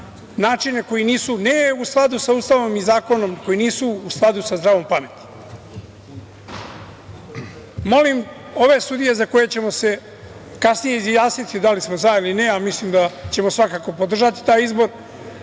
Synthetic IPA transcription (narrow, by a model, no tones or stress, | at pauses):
naːt͡ʂine̞ko̞iniːsuneusklˠad̪usauːst̪aʋomizaːko̞no̞mko̞jiniːsuːsklˠad̪usazd̪ɾaːʋo̞mpamet̪i̥ | mo̞lim | o̞ʋe̞sud̪ije̞zako̞je̞t͡ɕe̞mo̞se̞ | kasnijeizjaːsnit̪id̪alismo̞zailineamislimd̪at͡ɕe̞mo̞sʋakaːko̞pod̪r̩ʒat̪i̥t̪aːjizbo̞ɾ